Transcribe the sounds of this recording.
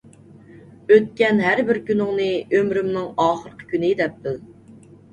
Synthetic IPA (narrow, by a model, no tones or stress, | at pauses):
øt̪̚kʲɛnɦæɾbɪɾkʲynʊŋnɨømɾymnɪŋɑːχəɾqʰə̥kʲynɪd̪ɛp̚d̪ɪl